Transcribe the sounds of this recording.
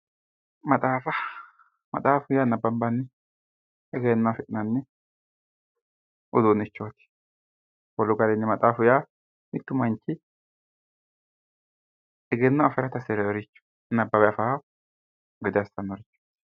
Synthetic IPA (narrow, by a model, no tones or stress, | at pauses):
mɐt̪ʼaːfɐ | mɐ̰t̪ʼaːfʊjanɐbɐmbɐnːɛ | ɛɡenːafɪʔɪnɐnːɛ | ʔʊd̪unɪt͡ʃːoːt̪ɪ̥ | wɔlʊɡɐdɛnːɛmɐt̪ʼaːfʊjaː | mɪt̪ːʊmɐnt͡ʃːɪ | ɛɡɛnːaːfɛɾɐt̪ɐsɛɾɛɾɪt͡ʃːʊ̥ | nɐbːɐbɛɐfa | ɡɛd̪ɪɐst̪ːɐnːɔɾɪt͡ʃːoːt̪